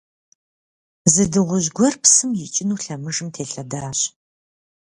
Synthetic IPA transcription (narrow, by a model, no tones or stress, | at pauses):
zɨdɨʁʷʊʑɡʷɔrpsɨmjɪt͡ʃʼɪnuːɬɐmɨʒɨmtʰeːɬɐdaːɕ